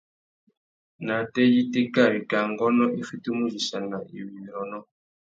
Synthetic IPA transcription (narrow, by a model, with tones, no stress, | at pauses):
na˨tɛ˦ji˦te˦ka˦˨wi˨ka˨ŋɡɔ˦nɔ˦ʔi˦fi˦tu˦mu˦zi˨sa˨na˨ḭ˨wi˨n˨ɔ˨nɔ˦